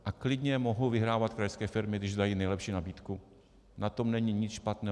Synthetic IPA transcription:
ʔaklɪdɲɛmoɦovɪɦɾaːvat̪̚kɾajɛskɛːfɪɾmɪɡdɪʒzd̪ajiːnɛjlɛpʃiːnabiːt̪ku | nat̪o̞mnɛɲɪɲɪt͡sʃpat̪nɛː

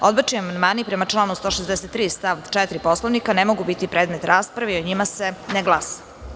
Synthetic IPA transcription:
od̪bat͡ʃiamand̪maːnipɾe̞mat͡ʂlˠaːnust̪o̞ːʃezd̪ɛset̪ːɾiːst̪aʋt͡ʃɛt̪ɾiposloʋnikanemo̞ɡubit̪ipɾeːd̪met̪ɾaːspɾaʋeioɲimaseneɡlˠasḁ

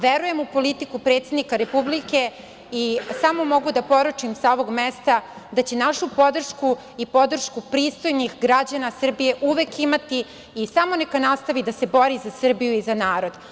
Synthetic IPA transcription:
ʋeɾuje̞mupo̞lit̪ikupɾe̞ːt̪sed̪nikaɾe̞publike | isamo̞mo̞ɡud̪apo̞ɾut͡ʂimsao̞ʋo̞ɡmest̪ad̪at͡ɕe̞naʃupo̞d̪r̩ʃku | ipo̞d̪r̩ʃkupɾiːst̪o̞jnixɡɾad͡ʑanasr̩bije̞ʔuʋe̞kimat̪iː | samo̞nekanast̪aʋid̪ase̞bo̞ɾizasr̩bijuizanaːɾo̞d̪̥

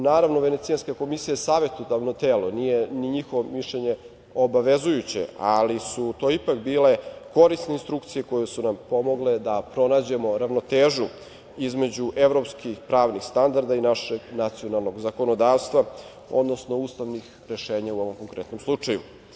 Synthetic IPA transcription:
naːɾaʋno̞ʋe̞ne̞t̪sijanskako̞misijaesaːʋe̞t̪ud̪aʋnot̪eːlonijeniɲixoʋomiʃʎeɲe | o̞baʋe̞zujut͡ɕḛalisut̪o̞ːipakbiːle̞ko̞ɾist̪neinst̪ɾukt̪sije̞ko̞jesunampo̞mo̞ɡled̪apɾo̞naːd͡ʑe̞mo̞ɾaʋno̞t̪eːʒu | izme̞d͡ʑuʔe̞ʋɾo̞pskixpɾaːʋnixst̪and̪aɾd̪ainaʃeɡnat̪sijo̞nalˠno̞ɡzako̞no̞d̪aːʋst̪ʋa | o̞̰d̪no̞sno̞uːst̪aʋnix | ɾeʃe̞ːɲauo̞ʋo̞mkoŋkɾet̪no̞mslˠut͡ʂajṵ

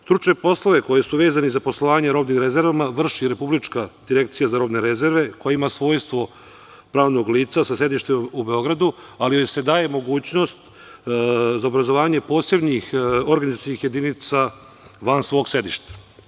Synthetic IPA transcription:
st̪ɾut͡ʂne̞po̞slˠoʋe̞ko̞jesuʋe̞ːzanezaposlˠo̞ʋaːɲeɾo̞ːbniːmɾezeɾʋamaʋr̩ʃiɾe̞publit͡ʃkad̪̥iɾe̞k̚t̪sijazaɾo̞bne̞ɾeze̞ɾʋe̞ko̞jaimasʋo̞ːjst̪ʋo̞ | pɾaːʋno̞ɡliːt̪sasase̞d̪iʃt̪emubeo̞ɡɾad̪ualiojse̞d̪aːje̞mo̞ɡuːt͡ɕno̞st̪ | zaobɾazo̞ʋaːɲe̞po̞ːse̞bɲixo̞ɾɡanizat͡ʃ̪nixje̞d̪init̪sa | ʋansʋo̞ːɡse̞d̪iʃt̪e̥

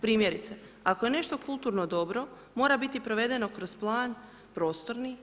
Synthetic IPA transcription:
pɾiːmje̞ɾit̪se | akoje̞ne̞ʃt̪o̞kulˠt̪uɾnod̪o̞bɾo̞ | mo̞ːɾabit̪ipɾoʋe̞d̪e̞no̞kɾo̞z̥plˠaːn | pɾo̞ːst̪o̞ɾni

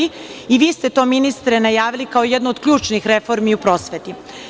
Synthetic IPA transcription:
iiʋiːst̪e̞t̪o̞ːminist̪ɾenajaːʋilikaojed̪nood̪kʎʲuːt͡ʃnixɾe̞fo̞ɾmiupɾo̞ːsʋet̪i

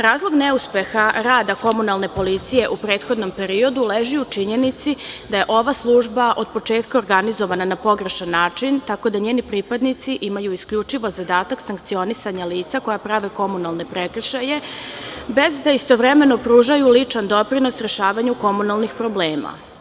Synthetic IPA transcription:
ɾaːzlˠoɡneuspe̞xaɾaːd̪ako̞munalˠne̞po̞lit̪sije̞ʔupɾeːt̪xo̞d̪no̞mpe̞ɾio̞d̪uleʒiut͡ʂiɲe̞nit̪sid̪aje̞ʔo̞ʋaslˠuːʒbaʔod̪̚po̞t͡ʂeːt̪̚kaoɾɡanizo̞ʋananapo̞ɡɾeʃanːaːt͡ʂint̪ako̞d̪aɲeːnipɾiːpad̪nit̪siʔimajuiskʎut͡ʂiʋo̞zad̪aːt̪aksaŋkt̪sio̞nisaɲaliːt̪sako̞japɾaʋeko̞munalˠne̞pɾekr̩ʃaje̞ | be̞zd̪aist̪o̞ʋɾeme̞no̞pɾuːʒajulit͡ʂand̪o̞pɾino̞sɾe̞ʃaːʋaɲuko̞munalˠnixpɾo̞bleːma̰

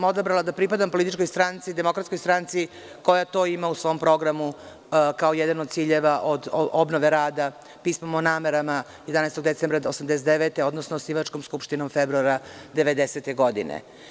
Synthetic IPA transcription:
mo̞d̪abɾalad̪apɾipad̪ampolˠit̪it͡ʃkojst̪ɾant̪sid̪emo̞kɾat̪sko̞jst̪ɾant̪si | ko̞jat̪o̞ːimausʋo̞mpɾo̞ɡɾamu | kaojɛd̪anod̪t̪siːʎeʋaʔod̪obnoʋe̞ɾaːd̪a | piːsmamonaːmeɾama | jed̪anajst̪oɡd̪esembɾaosamd̪eset̪d̪eʋet̪eo̞d̪nosnosniʋat͡ʃko̞mskupʃt̪ino̞mfebɾuaɾad̪eʋe̞d̪ese̞t̪e̞ɡo̞d̪ḭnḛ

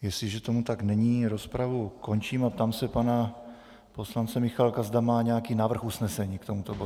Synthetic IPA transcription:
jɛsɪʒɛt̪omut̪aɡnɛɲiːɾospɾavuko̞nt͡ʃiːmat̪amsɛpana | po̞slant͡sɛmɪxalkazd̪amaːɲɛjakiːnaːvr̩xusnɛsɛɲiːkt̪o̞mut̪obo

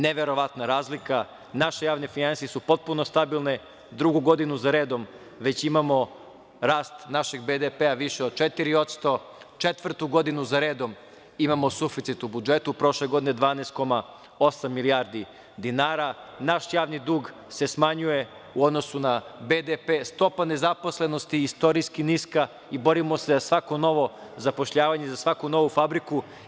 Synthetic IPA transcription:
neʋe̞ɾo̞ʋat̪naɾaːzlika | naʃejaːʋne̞finansijesupo̞t̪̚puno̞st̪abilˠne | d̪ɾuɡuɡo̞d̪inuzaɾe̞ːd̪o̞m | ʋe̞t͡ɕimamo̞ | ɾaːst̪naʃeɡbed̪epeaʋiʃeod̪̚t͡ʃet̪iɾio̞t̪st̪o̞ | t͡ʃet̪ʋr̩t̪uɡo̞d̪inuzaɾe̞ːd̪o̞m | imamo̞sufit̪sit̪ubud͡ʒe̞t̪upɾo̞ʃleɡo̞d̪ined̪ʋaːneːst̪ko̞ma | o̞samːiliaːɾd̪i | d̪inaːɾanaʃjaːʋnid̪uːɡ | se̞smaɲuje̞ | uod̪no̞sunabed̪epest̪o̞pane̞zapo̞sle̞no̞st̪iist̪o̞ɾiskiniska | ibo̞ɾimo̞se̞zasʋako̞no̞ʋo̞zapo̞ʃʎaːʋaɲezasʋakuno̞ʋufabɾiku

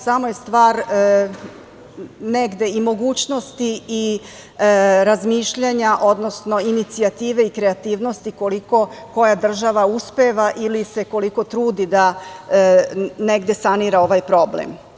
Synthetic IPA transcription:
samojest̪ʋaːɾ | neɡd̪e̞imo̞ɡuːt͡ɕno̞st̪ii | ɾazmiːʃʎaɲaʔo̞d̪no̞sno̞init̪siat̪iːʋe̞ikɾe̞at̪iːʋno̞st̪ikoliko̞ko̞jad̪r̩ʒaʋauspeʋaʔilise̞ko̞liko̞t̪ɾuːd̪id̪a | ne̞ɡd̪e̞saniɾao̞ʋajpɾo̞blḛm

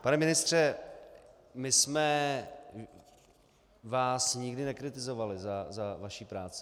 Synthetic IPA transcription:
panɛmɪnɪst̪r̝̥ɛ | mɪsmɛ | vaːsɲɪɡdɪnɛkɾɪt̪ɪzo̞valɪzazavaʃiːpɾaːt͡sɪ̥

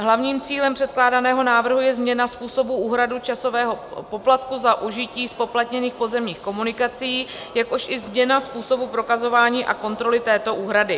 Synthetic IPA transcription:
ɦlavɲiːmt͡siːlɛmpr̥ɛt̪klaːdanɛːɦo̞naːvr̩ɦujɛzmɲɛnaspuːso̞buʔuːɦɾadut͡ʃaso̞vɛːɦo̞po̞plat̪kuzaʔuʒɪciːspo̞plat̪ɲɛniːxpo̞zɛmɲiːxko̞munɪkat͡sijiːjakoʃʔɪzmɲɛnaspuːso̞bupɾo̞kazo̞vaːɲiːʔa̰ko̞nt̪ɾo̞lɪt̪ɛːt̪o̞ʔuːɦɾadɪ

